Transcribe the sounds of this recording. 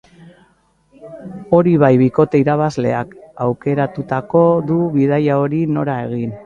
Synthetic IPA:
o̞ɾiβajβiko̞t̪e̞iɾaβazle̞̰akawke̞ɾat̪ut̪ako̞ðuβiðajao̞ɾino̞ɾae̞ɣin

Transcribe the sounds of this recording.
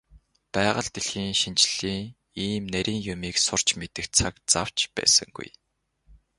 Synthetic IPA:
pæːʁə̆ɮt̪eɮxiːŋʃint͡ɕɮiːŋ | iːmnæɾʲʔiːŋjʊmiːksʊr̥t͡ɕmet̪ɘ̆kt͡sʰakt͡saw̥t͡ɕpæ̰ːsə̰̆ŋɡṵj

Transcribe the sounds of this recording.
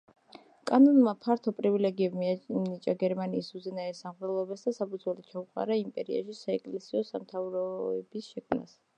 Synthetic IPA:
kʼanɔnmapʰaɾt̪ʰɔpʼɾivilɛɡiɛbmiamnit͡ʃʼaɡɛɾmaniːsuzɛnaɛsamʁɾɛlˠɔbɛsd̪asapʰud̪zwɛlit͡ʃʰauqʼa̰ɾaimpʼɛɾia̰ʃisaɛkʼlɛsiɔsamt̪ʰavɾɔɛbisʃɛkʰmna̰s

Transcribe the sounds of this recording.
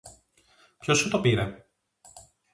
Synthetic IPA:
pço̞sut̪o̞piɾe

